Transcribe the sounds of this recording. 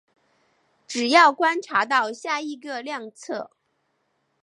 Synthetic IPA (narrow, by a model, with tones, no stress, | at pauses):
ʈ͡ʂɻ̩˨˩jɑ˥˩ʊkwa˥nʈ͡ʂʰa˧˥t̪̬ɑ˥˧ʊɕja˥˩i˧˥˩ɡə˧ljɑ˥˧ŋt͡sʰɤ˥˩